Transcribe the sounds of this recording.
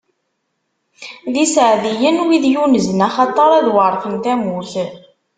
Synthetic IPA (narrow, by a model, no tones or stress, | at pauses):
ðisəʕðijənwiðjunəznæχɑt̪ˤːɑɾˤæðwəɾˤθənt̪æmuθ